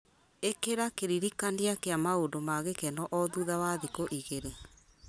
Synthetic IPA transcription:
ekeɾakeɾiɾikandiakeamaondomaɣekɛnɔʔɔðuðawaðikoʔiɣeɾe

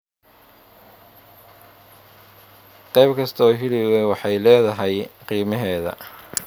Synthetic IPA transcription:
qɑjbkʰɐst̪ʰɔːɦɪɽɪwɛwɑħɑjlɛːðɐɦɛjqiːmɐɦɛːðɐ̰

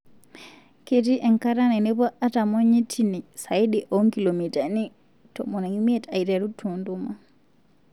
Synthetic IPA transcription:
ketiʔɛŋkaɾananɛpɔatamoɲitʰinisajɗiʔɔŋkilomitani | tɔ̰mɔnaŋimiɛtajitɛɾutʰːunduma

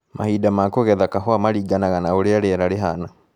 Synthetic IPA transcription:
mahiːdamakoɣɛðakaɦwamaɾiːɡanaɣanaoɾeaɾeɛɾaɾeɦana

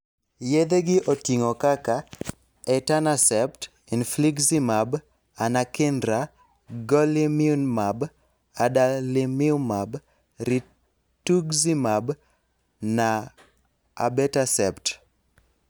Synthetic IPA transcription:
jed̪eɡɪʔotiŋokaka | ɛtanasɛpt | infliɡsimab | anakɪndɾa | ɡɔlimiunmab | adalimɪumab | ɾi | tuɡzimab | na | a̰bɛtasɛpt

